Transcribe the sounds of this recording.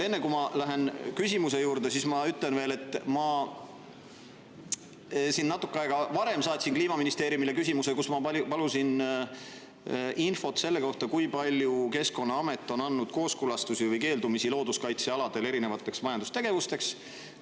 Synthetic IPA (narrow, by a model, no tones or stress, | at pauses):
e̞nːekumɑlæɦe̞nkysʲimuse̞juːɾd̪e̞sismɑyt̪ːˑle̞nve̞ːle̞t̪ːˑmɑ | sinːɑt̪ːˑukːɑeɡɑvɑɾe̞msɑːt̪ʲsʲinkliːmɑminist̪e̞ːɾjumile̞kysʲimusekusmɑɑpɑlusin | info̞t̪ːse̞lːe̞ko̞ht̪ɑkujpɑlʲjuke̞sko̞nːɑɑme̞t̪ːˑo̞nɑnːud̪̥ko̞ːskulɑst̪usivɤjke̞ːld̪umisilo̞ːd̪uskɑjt̪seɑlɑd̪̥e̞le̞ɾine̞vɑt̪ːˑe̞ksmɑjɑnd̪u̥st̪e̞ɡ̥e̞vust̪e̞ks